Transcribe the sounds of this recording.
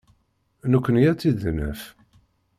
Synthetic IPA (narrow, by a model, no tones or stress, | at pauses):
nəkʷːənjæt͡sːiðnə̰f